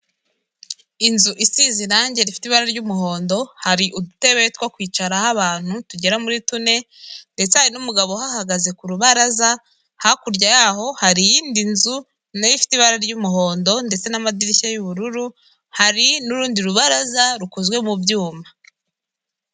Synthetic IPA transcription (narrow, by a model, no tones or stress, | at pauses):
inzuʔisiziɾaːɲɟe̞ɾifi̥tiβaɾaɾɟumuɦo̞ːndo̞haɾiʔudute̞βetwakwiːt͡ʃaɾahaβaːn̥hutuɟe̞ɾamuɾitune̞ | nde̞t͡se̞haɾinumuɡaβo̞hahaɡaze̞kuɾuβaɾaza | hakuɾɟajaɦo̞haɾijiːndinzu | najifi̥tiβaɾaɾɟumuɦo̞ːndo̞nde̞t͡se̞namadiɾiçajuβuɾuɾu | haɾinuɾuːndiɾuβaɾazaɾukuzɡwe̞mubjuːma